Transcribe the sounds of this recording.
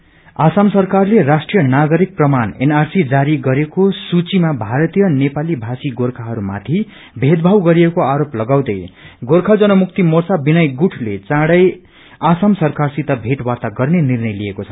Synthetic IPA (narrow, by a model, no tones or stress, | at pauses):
asamsʌrkarlerasʈrijʌnaɡʌɾik̚prʌmanḛnarsid͡zaɾiɡʌɾekosut͡simabʱaɾʌt̪ijʌnepalibʱasiɡorkʰaɦʌɾuma̰t̪ʰi | bʱed̪bʱawɡʌɾiekoaɾoplʌɡaw̃d̪ʌjɡorkʰad͡zʌnʌmukt̪imorsabinʌjɡuʈʰlet͡sãɽʌj | asamsʌrkarsit̪ʌbʱeʈwart̪aɡʌrnenirnʌjliekot͡sʰʌ̥